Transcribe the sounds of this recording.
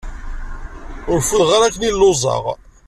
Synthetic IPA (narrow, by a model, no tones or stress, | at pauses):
ʊɾfulʁaɾækːnilːozˤɑ̰ʁ